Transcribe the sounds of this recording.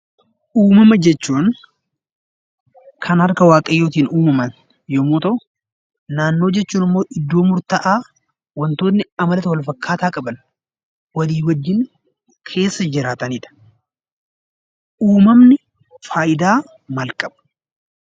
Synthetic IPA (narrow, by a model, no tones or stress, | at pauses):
ʔuːmɐmɐd͡ʒɛt͡ʃːuːn | kʰɐnhɐɾkɐwaːkʼɐjːo̞ːt̪iːnuːmɐmɐn | joːmoːt̪ɐ | naːnːo̞ːd͡ʒɛt͡ʃːuːnɪmːoːʔɪd̪ːo̞ːmʊɾt̪ɐʔaː | wɐnt̪o̞ːnːɪɐmɐlɐt̪wɐlfɐkːaːt̪aːkʼɐbɐn | wɐliːwɐd͡ʒːɪn | kʰe̞ːsːɐd͡ʒɪɾaːt̪ɐniːᶑ̪ɐ̥ | ʔuːmɐmnɪ | faːjɪd̪aː | mɐlkʼɐb̥ɐ̥